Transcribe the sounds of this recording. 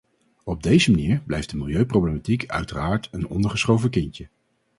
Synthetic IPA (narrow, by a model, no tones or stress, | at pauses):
ɔb̚dejzəmaniːɹblɛjfdəmɪlˠjøɥprowblematikʰœ̰ɥtəraːɹtənɔ̰ndəɹχəsχowvəkɪɲcə